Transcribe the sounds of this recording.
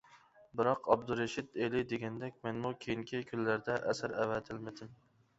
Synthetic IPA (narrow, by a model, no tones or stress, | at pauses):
bɨɾɑqʰɑb̚d̪uɾeʃɪt̪elɪd̪eɡʲɛnd̪ɛkʲmɛnmukʲʰejiŋkʲʰikʲʰylːæɾd̪ɛʔɛsɪɾɛwɛt̪ʰɪlmɪd̪ɪm